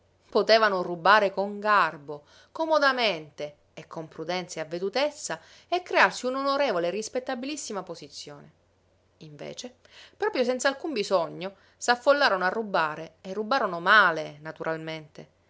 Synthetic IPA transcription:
pot̪eːvanorubaːɾekoŋɡarbo | komod̪ament̪eː | kːompɾud̪ɛnt̪sjaavːed̪ut̪esːa | ekːɾearsiunonoɾeːvoleːrːispet̪ːabilisːimaposit̪sːjoːne | iɱvḛːt͡ʃe | pɾɔːpɾjos̬ɛnt̪salkumbizoɲːo | safːolːaːɾonoarːubaːɾeerːubaːɾonomaːlenat̪uɾʔalment̪e

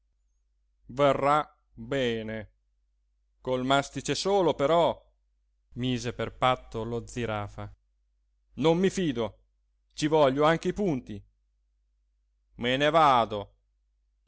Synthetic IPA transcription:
verːa | bɛːne | kolmast̪it͡ʃesoːlopeɾɔ | miːzeperpat̪ːolod̪ziɾaːfa | nomːifiːd̪o | t͡ʃivɔʎːoaŋk̟eipunt̪i | menevaːd̪o

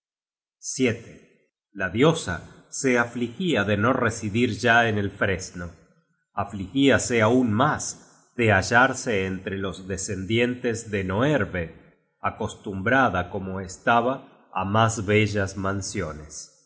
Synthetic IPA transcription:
sjet̪e | laðjo̞sa̰ | seaflixiaðe̞no̞resiðiɾʒaenelfɾe̞zno̞ | aflixiaseaunmas | ðeaʒaɾseːnt̪ɾelo̞zðese̞nd̪je̞nt̪ezðeno̞eɾβe | ako̞st̪umbɾaðako̞mo̞est̪aβa̰ː | mazβeʒazmãnsjo̞nes

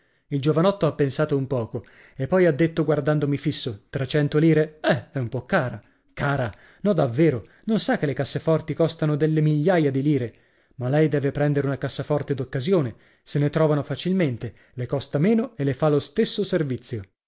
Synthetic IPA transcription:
ild͡ʒovanɔt̪ːoapːensaːt̪oumpɔːko | epːɔjad̪ːet̪ːoɡward̪and̪omifisːot̪ɾet͡ʃɛnt̪oliːɾeɛɛumpɔkːaːɾa | kaːɾa | nɔd̪avːeːɾo | nonsakːelekasːefɔrt̪ikɔst̪anod̪elːemiʎːajad̪iliːɾe | malɛjd̪ɛːvepɾɛnd̪eɾeunakasːafɔrt̪ed̪okːazjoːne | senet̪ɾɔːvanofat͡ʃilment̪e | lekɔst̪ameːnoelefalost̪esːoservit̪sːjo

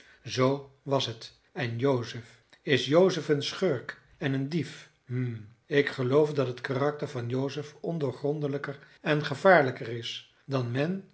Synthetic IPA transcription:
zowʋɑsɦət | ɛnjowzəf | ɪsjowzəfənsχøɹk | ɛnəndif | m̩ | ɪkχəlowfdɑtɦətkaːrɑk̚təɹvɑnjowzəfɔndoːɹχrɔndələkər | ɛnχəvaːɹləkərɪs | dɑnmɛn

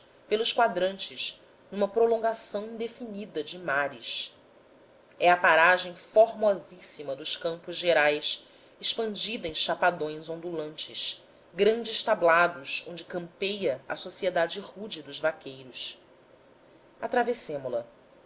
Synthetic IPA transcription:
pelʊʃkwad̪ɾɐ̃nt͡ʃɪʃ | nũmɐpɾolõŋɡasɐ̃w̃ĩnd̪efinid̪ɐd͡ʒɪmaɾɪʃ | ɛɐpaɾaʒẽj̃foɾmɔzisimɐd̪ʊʃkɐ̃mpʊzʒeɾajs | ɪʃpɐ̃nd͡ʒid̪ɐẽʃapad̪õj̃zõnd̪ulɐ̃nt͡ʃɪʃ | ɡɾɐ̃nd͡ʒɪʃt̪ablad̪ʊzõñd͡ʒɪkɐ̃mpejɐɐ̰sosied̪ad͡ʒɪʁud͡ʒɪd̪ʊzvakejɾʊs | at̪ɾavesẽmʊlɐ

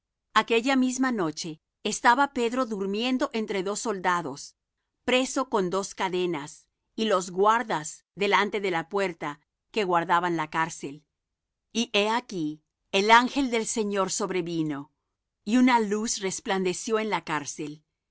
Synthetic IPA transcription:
ake̞ʝamizmano̞t͡ʃe̞ː | st̪aβape̞ðɾo̞ðuɾmje̞nd̪o̞ʔe̞nt̪ɾe̞ðo̞sːo̞ld̪aðo̞s | pɾe̞so̞ko̞nd̪o̞skaðe̞nas | ilo̞zɣwaɾðaz | ðe̞lant̪e̞ðe̞lapwe̞ɾt̪a | ke̞ɣwaɾðaβanlakaɾse̞l | iʔe̞aki | elaŋxe̞ld̪e̞lse̞ɲo̞ɾso̞βɾe̞βino̞ | iunalusrespland̪e̞sjoe̞nlakaɾse̞l

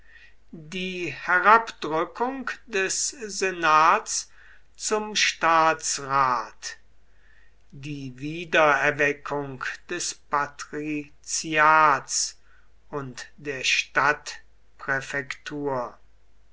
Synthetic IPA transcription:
diːhɛʁapd̥ʁʏkʰʊŋkd̥ɛszenaːts | t͡sʊmʃtaːsʁaːt | diːviːdɐɛɐvɛkʰʊŋkd̥ɛspatʁi | t͡siaːts | ʊntd̥eːɐʃtat | pʁɛfɛktʰuːɐ

